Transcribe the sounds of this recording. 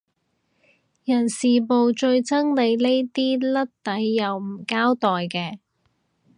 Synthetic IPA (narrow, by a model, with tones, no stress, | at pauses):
jɐ˨˩nsiː˨po˨wt͡ʃɵ˧ɥt͡sɐ˥ŋle˨˧jle˥jt̪iː˥lɐ˥t̚t̪ɐ˨˥jːɐ˨wm̩˨˩kaː˥wt̪ɔː˨jkɛː˧